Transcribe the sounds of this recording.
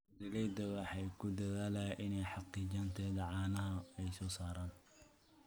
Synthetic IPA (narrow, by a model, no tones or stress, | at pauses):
dɪlɛjd̪ɐwɑħɑjkʰʊd̪ɐðaːlaːʔɪnɛjħɑqiːd͡ʒɐnt̪ʰɛːðɐʕɑːnɐɦɐɛjsɔːsaːɾaːn